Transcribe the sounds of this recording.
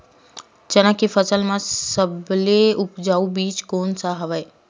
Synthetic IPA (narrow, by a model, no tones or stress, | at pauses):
t͡ʃənãkifəsəlmãsəbleʊpd͡ʒaːubiːt͡ʃkoːnsaɦəʋəe